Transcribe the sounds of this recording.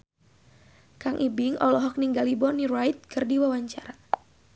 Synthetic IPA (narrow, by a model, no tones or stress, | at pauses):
kaŋʔibɪŋɔ̰lɔɦɔk̚niŋɡalibɔniɾajt̪̚kɨrdiwawaɲt͡ʃaɾa